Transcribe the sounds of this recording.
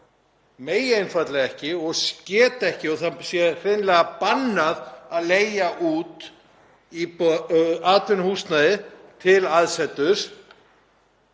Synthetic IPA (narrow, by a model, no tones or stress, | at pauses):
meːjenfat̪lɛɣɛhcɪɔɣscɛːt̪ɛhcɪɔθasjɛr̥ɪnlɛɣapanːaðaðleːjaʔuːt̪ | i | aːt̪vɪnhuːst̪naðɪt̪ʰɪlaðsɛt̪ːʏɾ̥